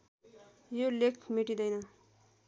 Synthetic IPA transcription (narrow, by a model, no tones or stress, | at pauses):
jolekʰmeʈid̪ʌjnʌ